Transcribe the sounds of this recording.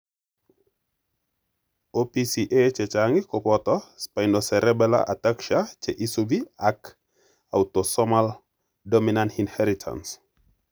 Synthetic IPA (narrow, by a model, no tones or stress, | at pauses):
opisiʔet͡ʃɛt͡ʃaŋɡikɔpɔtɔspajndɔsɛɾɛbɛla̰ʔatakʃat͡ʃeʔisubiak | a̰wtɔsɔmal | dominantinhɛɾitʰa̰ns